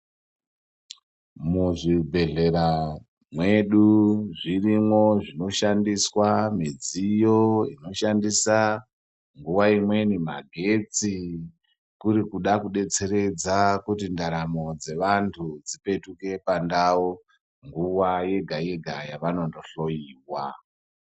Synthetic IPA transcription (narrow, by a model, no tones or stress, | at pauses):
muʐibʱe̞ɮe̞ɾa | mwe̞ɗuʐirimwo̞ʐino̞ʃandiswamid͡zijo̞ḭno̞ʃandisa | ŋɡuwaimwe̞nima̰ɡʱe̞t͡si | kuɾikuɗakuɗe̞t͡se̞ɾe̞d͡zakutindaɾamo̞d͡ze̞ʋantʰud͡zipe̞tuke̞pandao | ŋɡuwaje̞ɡʱaje̞ɡʱajaʋano̞ndoɬo̞jiːwa